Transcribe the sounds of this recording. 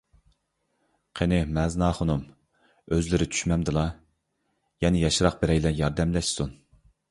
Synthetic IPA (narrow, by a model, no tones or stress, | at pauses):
qʰenɪmɛznɑːχonum | øzlɪɾɪt͡ʃ̪ʰy̥ʃmɛmd̪ɨlˠɑ | jɛnɪjɑʃɾɑq̚bɪɾɛjlɛnjɑɾd̪ɛmlɛʃsun